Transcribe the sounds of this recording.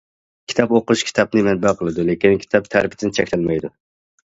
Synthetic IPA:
kʲʰi̥t̪ʰɑpoqʃkʲʰi̥t̪ʰɑp̚nɨmɛt̪̚bæqʰəlˠɨd̪ʊlekʲinkʲʰi̥t̪ʰɑp̚t̪ʰæɾpʰɪd̪ɪnt͡ʃʰɛkʲlælmɛjd̪ʊ

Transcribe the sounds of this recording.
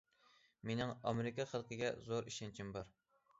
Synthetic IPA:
menɪŋɑmeɾɪkʲɑχəlˠqʰəɡʲɛzoɾiʃɛnt͡ʃʰɪmbɑɾ

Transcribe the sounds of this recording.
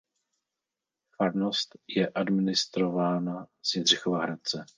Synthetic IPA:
faɾnost̪jɛʔadmɪnɪst̪ɾo̞vaːnasɪnr̝ɪxovaɦɾat̪̚t͡sɛ

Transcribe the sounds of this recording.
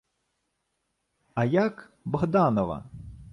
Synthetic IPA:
ɐjak | bɔɦd̪ɑnɔʋɐ̰

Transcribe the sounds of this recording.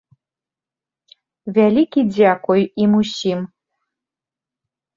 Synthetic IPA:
vʲælʲikʲid͡zʲakɔjimusʲim

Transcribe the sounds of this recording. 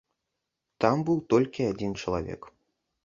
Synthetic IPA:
t̪ambɨwt̪ɔlʲkʲiad͡zʲint͡ʂɐlˠavʲɛ̰k

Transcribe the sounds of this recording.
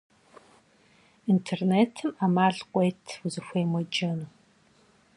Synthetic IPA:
intʰerneːtʰɨmamaːɮqʷɔjtʰwuzɨxʷejmɔd͡ʒɐnuː

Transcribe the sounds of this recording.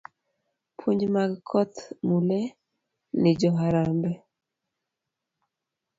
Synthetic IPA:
pʰuɲd͡ʒmaɡkʰɔt̪mulɛ | nɪd͡ʒɔɦaɾambɛ

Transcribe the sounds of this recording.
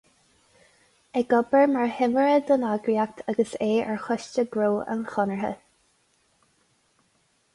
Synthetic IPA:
ɛɡɔbəɹmaɹhɪməɹəd̪ənaɡɹiak̚t̪ʰaɡəseːəɹxɔʃt͡ʃəɡɹoːə̰nxɔnəɹɦə̰

